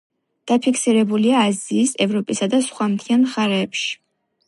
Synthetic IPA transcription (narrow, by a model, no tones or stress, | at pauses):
d̪̥apʰikʰsiɾɛbuliaːziːsɛvɾɔpʼisad̪asχwamt̪ʰianχaɾɛːpʃi̥